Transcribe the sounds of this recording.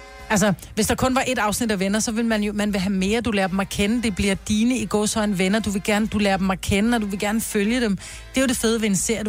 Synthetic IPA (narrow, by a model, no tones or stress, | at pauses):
æls̬ɐ | ʋe̝sd̥ɑ̈kʰɔ̽nʋɑ̈ʔe̝d̥ɑ̈ʊsnid̥æʋenɐsɒ̽ʋe̝lmænjo̝mænʋeɦæme̝ːɐd̥ulæːɐd̥emækʰenəd̥e̝b̥liɐd̥iːnəiɡ̥ɒ̰ːsɒ̽ɪnʋenɐd̥uʋe̝lɡ̥æɐnəd̥ulæːɐb̥emækʰenəɒd̥uʋe̝ɡ̥æɐnəføljəd̥em | d̥e̝jod̥e̝feð̞ˠəʋe̝ense̝ɐ̰d